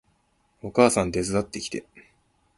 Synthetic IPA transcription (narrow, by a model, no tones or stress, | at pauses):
o̞kaːsãnd̪e̞zɨd̪at̪ːe̞ki̥t̪e̞̰